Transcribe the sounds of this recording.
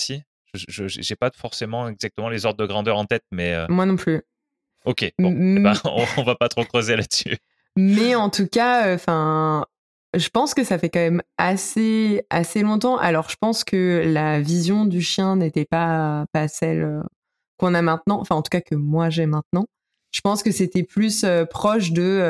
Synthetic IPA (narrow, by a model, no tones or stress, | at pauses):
si | ʒəʒəʒ̰ʒepafɔʁsemɑ̃ɛɡzak̚t̪əmɑ̃lezɔʁd̪̚d̪əɡʁɑ̃d̪œʁɑ̃t̪ɛt̪̚mɛø̰mwanɔ̃ply | okʲeaɔ̰̃ɔ̃vapat̪χokχəzelat̪sy | mɛɑ̃t̪ukʲaøfɛ̃ | ʒəpɑ̃skəsafɛkɑ̃mɛmasea̰selɔ̃t̪ɑ̃ʔa̰lɔʁʒəpɑ̃skəlavizjɔ̃d̪yʃjɛ̃net̪ɛpapasɛlø | kɔ̃namɛ̃t̪nɑ̃ɑ̰̃fɛ̃ɑ̃t̪u̥kakəmwaʒɛmɛ̃t̪nɑ̃ | ʒ̥əpɑ̃skəset̪ɛplysøpχɔʃd̪ə